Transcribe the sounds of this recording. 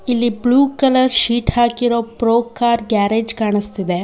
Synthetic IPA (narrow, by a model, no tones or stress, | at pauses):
ilːibɭuːkɐlɐɾʃiːʈɦaːkiɾoːpɾoːkːaːɾɡaːɾeːd͡ʒkaːɳist̪id̪e